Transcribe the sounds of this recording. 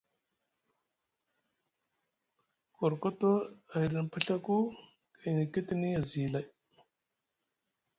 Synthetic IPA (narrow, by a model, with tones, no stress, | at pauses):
ko˨ɾko˦to˦a˨i˨ɾi˨n˨pa˦ɬa˦ku˦ | ka˨na˨ki˦ti˦ni˦ja˨zi˨la˨j